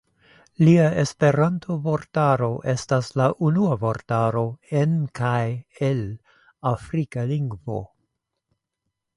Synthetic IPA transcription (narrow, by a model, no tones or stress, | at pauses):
liae̞spe̞ɾantʰovo̞ɾtaɾo̞ʔe̞staslaʔunuavo̞ɾtaɾo̞enkajel | afɾikaliŋɡvo̰